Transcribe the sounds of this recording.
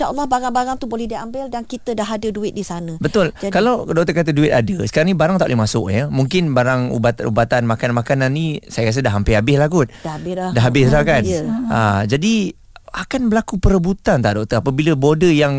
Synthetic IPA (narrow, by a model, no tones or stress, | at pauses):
daʔɔlːɔhbaɾaŋbaɾaŋt̪ubolɛhdiambɪldankit̪ədaɦadəduɪt̪̚disanə̃bət̪ʊlkalawdɔk̚t̪əkat̪əduɪt̪adəsə̥kaɾaŋnibaɾaŋt̪aʔlɪhmasʊ̰k̚jəmuŋkɪnbaɾaŋṵbat̪ṵbat̪anmakanmakananːĩsajakas̬ədaɦːampɪabɪhlahɡʊt̪̚daɦabɪslakanad͡ʒadi | akanbəlakupəɾəbut̪ant̪aʔdɔk̚t̪əapəbiləbodəjaŋ